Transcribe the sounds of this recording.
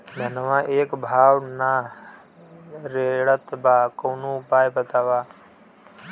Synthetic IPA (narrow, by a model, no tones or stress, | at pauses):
mənəʋãːʔeːkbʱaːʋna | ɾeɭət̪baːkoːnũːpaːjbət̪aːʋaː